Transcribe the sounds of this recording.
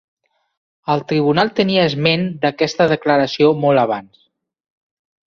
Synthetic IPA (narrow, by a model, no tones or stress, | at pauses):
əlˠt̪ɾiβ̞unalˠt̪əniəːzmend̪əkɛst̪əðəkləɾəsiomɔlˠəβ̞ans